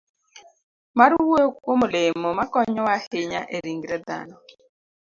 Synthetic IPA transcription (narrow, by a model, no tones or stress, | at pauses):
maɾuwekomolemɔmakɔɲɔwaheɲa̰ʔeɾiŋɡiɾɛd̪a̰nɔ